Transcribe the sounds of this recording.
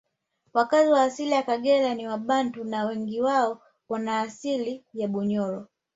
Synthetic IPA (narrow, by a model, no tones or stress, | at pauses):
wakaziwaːsilijakaɠɛlaniwaɓantunawɛŋɡiwaɔ | wanaːsilijaɓuɲɔɾɔ